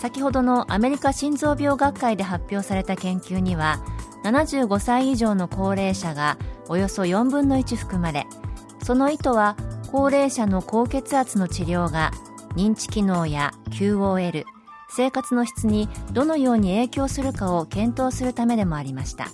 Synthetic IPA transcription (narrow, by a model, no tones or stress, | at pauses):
sakʲiho̞d̪o̞no̞ʔame̞ɾʲikaɕĩnzo̞ːbʲo̞ːɡakːaid̪e̞ɦapʲːo̞ːsaɾe̞t̪akẽ̞ŋkʲɨːɲ̟iβ̞ananaʑɨːɡo̞saiːʑo̞ːno̞ko̞ːɾe̞ːɕaɡao̞jo̞so̞jõ̞mbɯ̟̃nːo̞it͡ɕiɸɯ̟̥kɯ̟maɾe̞̰ | so̞no̞it̪o̞βako̞ːɾe̞ːɕano̞ko̞ːke̞t͡sɨat͡sɨno̞t͡ɕiɾʲo̞ːɡa | ɲ̟ĩɲ̟t͡ɕi̥kʲino̞ːjakʲʰɨːo̞ːe̞ɾɯ̟ | se̞ːkat͡sɨno̞çʲi̥t͡sɨɲ̟id̪̥o̞no̞jo̞ːɲ̟ie̞ːkʲo̞ːsɨɾɯ̟kao̞kẽ̞nt̪o̞ːsɨɾɯ̟t̪ame̞d̪e̞mo̞aɾʲimaɕi̥t̪a̰